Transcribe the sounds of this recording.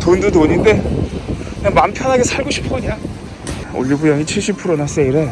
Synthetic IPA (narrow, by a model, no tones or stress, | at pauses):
tondutoɲinde̞ | kɯɲaŋmampʰjʌnɦaɡesʰaɭɡoɕʰi̥p̚k͈ɯɲa | o̰ʎːibujʌŋit͡ɕʰiɭɕ͈ipʰɯɾonas͈eiɾe